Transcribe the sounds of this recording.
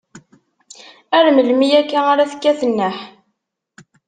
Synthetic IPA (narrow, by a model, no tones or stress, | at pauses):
æɾməlmijækːæaɾæθə̥kːæθənːəħ